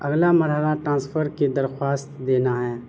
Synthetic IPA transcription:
ɐɡlamɐɾɦəlaʈɾãːspʰəɾked̪ɐɾxwaːst̪d̪eːnaɦɛː

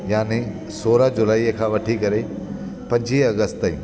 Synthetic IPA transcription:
jaːni | soːɾəd͡ʑʊlaːiːkʰãːʋɐʈʰikɐɾe | pɐ̃ɲd͡ʑiɐɡəst̪aḭ

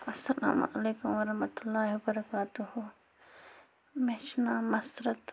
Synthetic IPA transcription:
ɐsːɐla̰ːmʔɐleːkʊmʋɐɾɐɦmɐt̪ʊlːaːɦiwɐbɐɾɐkaːt̪uhu | meʃnaːmɐsɾɐt̪

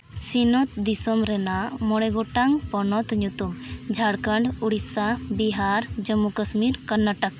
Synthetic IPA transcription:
sinɔt̪d̪isɔmɾɛnamɔɽ̃ɛɡɔʈaŋpɔnɔt̪ɲut̪umd͡ʒʱaɽkəɳɖuɽisabiɦaɾd͡ʒəmːukəsmiɾkənːaʈak̚

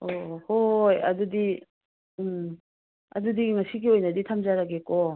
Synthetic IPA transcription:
ɔhoja̰dudi | ɯ | a̰dud̪iɡiŋasiɡiojnad̪it̪ʰamd͡ʒaɾaɡeko

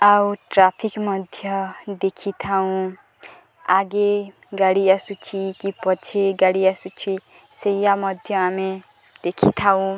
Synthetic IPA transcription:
awʈrapʰikmʌd̪ʱjʌd̪ekʰit̪ʰaw̃ | aɡe | ɡaɽijasut͡sʰikipʌt͡sʰeɡaɽijasut͡sʰi | sejamʌd̪ʱjʌame | d̪̥ekʰit̪ʰaw̃

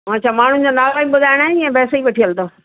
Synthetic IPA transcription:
ãt͡ɕʰaːmaːɳ̤ʊnɪ̆d͡ʑonaːɡaːiɓʊd̪ʱaːɪɽ̃aːɦɪnɛ̃bɛːsoiʋɐʈʰiəlt̪oː

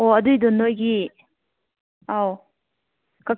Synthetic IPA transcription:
oɐduidonːojɡi | aw | ka

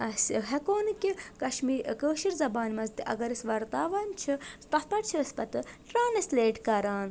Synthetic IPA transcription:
ɐsɦɐkoːnɨkʲikɐʃmiːɾkəːʃiɾzɐbaːnmɐzt̪iʔɐ̰ɡɐɾisʲʋɐɾt̪aːʋaːnt͡ʃʰisp̪ɐspɐʈ̚t͡ʃʰiɐspɐt̪ɨʈɾaːnɐsleːʈkɐɾaːn

